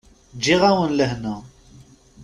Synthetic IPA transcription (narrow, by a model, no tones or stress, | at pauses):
d͡ʒiʁawənləhnə